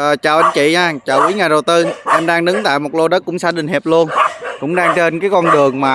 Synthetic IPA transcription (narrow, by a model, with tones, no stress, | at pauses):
ʔəː˨˩t͡ɕaː˨˩wʔa˧n̟t͡ɕḭ˧˨ɲaː˧t͡ɕaː˨˩wkwi˨˦ŋa˨˩ɗə˨˩wt̪ɨ˧ʔɛ˧mɗaː˧ŋɗɨ˨˦ŋt̪a̰ː˧˨jmo˨˩t̚lo˧ɗə˦˥t̚kʊ˧˥ŋ͡msaː˧˥ɗï˨˩ŋ̟ɦɛ˨˩p̚lu˧ənkʊ̰˧˥ŋ͡mɗaː˧ŋt͡ɕe˧nkaː˨˦jkɔ˧nɗɨ˨˩əŋmaː˨˩